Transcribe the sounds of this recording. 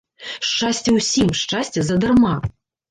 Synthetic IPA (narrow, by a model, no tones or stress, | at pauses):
ʂt͡ʂasʲt͡sʲɛwsʲimʂt͡ʂasʲt͡sʲɛzɐd̪ɨrma